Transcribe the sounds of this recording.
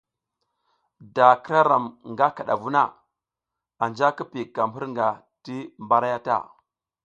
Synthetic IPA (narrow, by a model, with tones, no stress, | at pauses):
da˨kɾa˦ɾa˨mŋɡa˦ka˨ɗa̰˨vu˦na̰˦ | a˨nd͡ʒa˦ki˦pi˨ka˨m˨u˦ɾŋɡa˨ | ti˦mba˦ɾa˦ja˦ta̰˦˨